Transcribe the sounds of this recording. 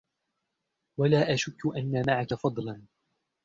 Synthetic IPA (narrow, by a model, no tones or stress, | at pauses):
walaːʔaʃʊkːʊʔanːamaʕakafɑd̪ˤlɑn